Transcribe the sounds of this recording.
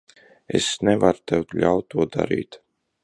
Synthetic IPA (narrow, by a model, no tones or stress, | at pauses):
ḛsnɛvaɾt̪ɛwt̪ʎʲawt̪̚t̪ːuɔd̪a̰ɾḭːt̪